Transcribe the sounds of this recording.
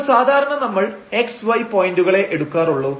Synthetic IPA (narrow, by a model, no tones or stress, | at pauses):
saːd̪ʱaːɾɐɳɐnɐmːɐɭe̞ksʋɐjpo̞ːjinduɣɐɭe̞ʔeɽukːaːɾuɭːu